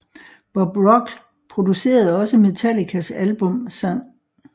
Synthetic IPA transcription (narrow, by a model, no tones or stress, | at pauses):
b̥ɒ̽b̥ʁɒ̽ɡ̥ | pʰʁo̝d̥use̝̰ːɐð̞̩ˠɒ̽səme̝t͡sʰælikʰæsælb̥ɔ̽msɑŋ̰